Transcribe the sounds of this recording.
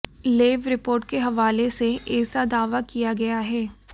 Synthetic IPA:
leːʋɾɪpoːɾʈ̚keɦɐʋaːleseʔeːsad̪aːʋakijaɡɐjaɦɛː

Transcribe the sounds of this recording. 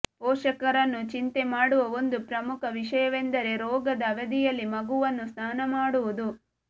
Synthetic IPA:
pɔːʂɐkɐɾɐnːut͡ʃint̪e̞maːɽuʋɐo̞nd̪upɾɐmukʰɐʋiʂɐjɐʋend̪ɐɾe̞ɾɔːɡɐd̪ɐʋɐd̪ijɐlːimɐɡuʋɐnːusnaːnɐmaːɽuʋud̪u

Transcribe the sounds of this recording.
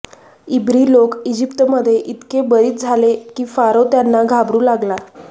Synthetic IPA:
ibɾiːlokid͡ʑipt̪əməd̪ʱːjeʔit̪kebəɾiːt̪̚d͡zʱalekiːfaɾot̪janːaɡʱabɾuːlaɡla

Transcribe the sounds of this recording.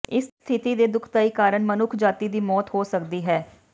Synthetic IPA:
ɪsst̪ʰɪt̪iːd̪eːd̪ʊkʰt̪aːiːkaːɾəɳmənʊkʰd͡ʒaːt̪iːd̪iːmɔːt̪hoːsəkd̪iːɦɛː

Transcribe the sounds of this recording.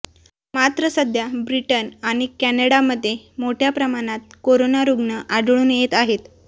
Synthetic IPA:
mat̪ɾəsəd̪ʱjabɾiʈənaɽ̃ikænəɽaməd̪ʱːjemoʈʰjapɾəmaɽ̃at̪̚koɾonaɾuɡnəʔaɖɭuːnjet̪aɦet̪

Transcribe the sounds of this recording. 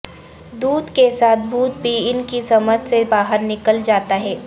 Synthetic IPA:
d̪uːd̪kesaːt̪̚ʰbuːt̪̚bʱiɪnkisɐməd͡ʒʱsebaːɦəɾnɪkəld͡ʒaːt̪aɦɛː

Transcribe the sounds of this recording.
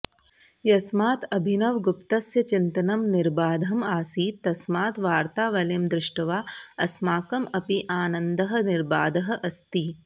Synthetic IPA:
jɐsmaːt̪ɐbʱinɐʋɡʊpt̪ɐsjɐt͡ʃɪnt̪ɐnɐmnɪɾbaːd̪ʱɐmaːsiːt̪ɐsmaːt̪ʋaːɾt̪aːʋɐlemd̪ɾɪʂʈɐʋaːɐsmaːkɐmɐpiʔaːnɐnd̪ɐɦɐ̆nɪɾba̰ːd̪ɐɦɐ̆ʔɐst̪i

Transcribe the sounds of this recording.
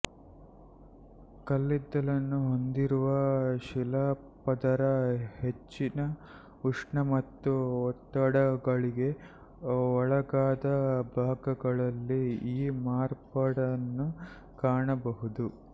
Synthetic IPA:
kɐlːid̪ːɐlɐnːuɦo̞nd̪iɾuʋɐʃilɐ | pɐd̪ɐɾɐhe̞t͡ʃːinɐ | uʂɳɐmɐt̪ːuɔt̪ːɐɽɐɡɐɭiɡe̞ | ɔɭɐɡaːd̪ɐbʱaːɡɐɡɐɭɐlːiiːmaːɾpɐɽɐnːu | kaːɳɐbɐɦud̪u

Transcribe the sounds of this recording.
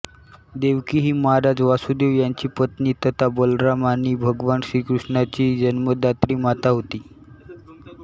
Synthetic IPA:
d̪eʋkiɦiːməɦaɾad͡zʋasud̪eʋjaɲt͡ɕiːpət̪niːt̪ət̪abəlɾamaniːbʱəɡʋansɾikɾuʂɳat͡ɕiːd͡ʑənməd̪at̪ɾiːmat̪aɦot̪iː

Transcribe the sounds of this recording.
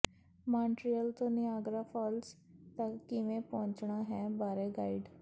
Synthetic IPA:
mãːɳʈɾiəlt̪õnɪaːɡɾaːfʰɔːls | t̪əkːimẽpɔ̃ːɲt͡ʃɳaːɦɛ̃ːbaːɾeɡaːiɖ

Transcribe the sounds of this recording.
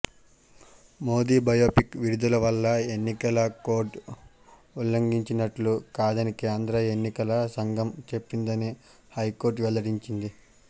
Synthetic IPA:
moːd̪iːbɐjoːpikʋiɾud̪ulɐʋɐlːɐe̞nːikɐlɐko̞ːɾʈ | ulːɐŋɡiɲt͡ʃinɐʈlukaːd̪ɐnikiɐnd̪ɐɾɐenːikɐlɐsɐŋɡɐmt͡ʃe̞pːind̪ɐni | hɐjko̞ːɾʈ̬ʋɛlːɐɽiɲt͡ʃind̪i

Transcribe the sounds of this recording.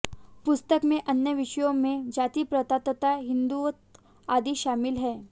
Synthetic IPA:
pʊst̪əkmẽʔɐnjəʋɪʃjõmẽd͡ʒaːt̪ipɾɐt̪at̪ət̪aɦɪ̃nd̪uot̪ | aːd̪iʃaːmɪlɦɛː

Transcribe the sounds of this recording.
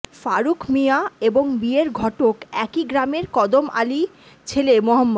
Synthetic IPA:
faɾukʰmiaeboŋbieɾɡʱɔʈokɛkiɡɾameɾkɔd̪omʔa̰li | t͡ɕʰelemoɦamːo

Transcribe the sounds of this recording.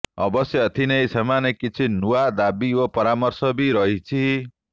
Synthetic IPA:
ʌ̰bɔsjɔːt̪ʰinejsemanekit͡ʃʰinuwad̪abiopɔɾamɔɾsɔbiɾʌɦit͡ʃʰi

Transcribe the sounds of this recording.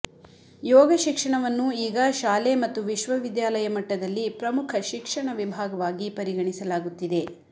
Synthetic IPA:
jɔːɡɐʃikʂɐɳɐʋɐnːuiːɡɐʃaːlemɐt̪ːuʋiʃʋɐʋid̪jaːlɐjɐmɐʈːɐd̪ɐlːipɾɐmukʰɐʃikʂɐɳɐʋibʱaːɡɐʋaːɡipɐɾiɡɐɳisɐlaːɡut̪ːid̪e̞

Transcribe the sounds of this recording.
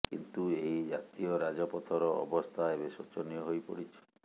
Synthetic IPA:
kḭnt̪ueɦid͡ʒat̪iɔɾad͡ʒɔpɔt̪ʰɔɾɔɔ̰bɔst̪ʰaebesot͡ʃɔnijɔɦojpɔ̰ɽit͡ʃʰɔ̥

